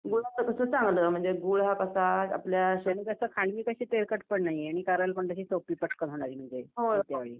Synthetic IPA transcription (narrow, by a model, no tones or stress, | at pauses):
ɡuɭat̪əkəsət͡sãŋɡləm̤əɳd͡zeɡuɭɦakəsaa̰pljaɕeniːɡəsəːkʰaɳʋiːkəɕiːt̪eɾkəʈpəɳnaɦijeaɽ̃ikaɾəlkəɳt̪əɕiːsopiːpəʈʰkət̪ɦoɽ̃aɾiːm̤əɳd͡zeɦot̪jaʋeɭiː